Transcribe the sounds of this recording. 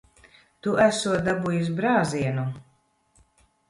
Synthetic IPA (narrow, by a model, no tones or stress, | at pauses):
t̪uʔæsuɔd̪abujus̬bɾaːziɛnu